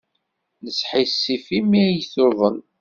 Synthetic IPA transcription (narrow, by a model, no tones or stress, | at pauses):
nəsħisːifimijθʊðˤən